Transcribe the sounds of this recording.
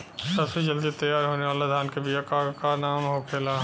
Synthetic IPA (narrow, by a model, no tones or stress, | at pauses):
sɐbsid͡ʒɐld̪it̪ɐjːaːɾɦoːneʋaːlad̪ʱaːnkebijakakanaːmɦoːkʰeːlaː